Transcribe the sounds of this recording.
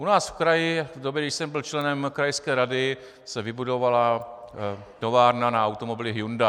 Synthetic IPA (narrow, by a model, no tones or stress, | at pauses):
ʔunaːsfkɾajɪvdobjɛɡdɪʃsɛmbɪlt͡ʃlɛnɛmkɾajskɛːɾadɪ | sɛvɪbudo̞vala | t̪o̞vaːɾnanaawt̪omo̞bɪlɪɦjunda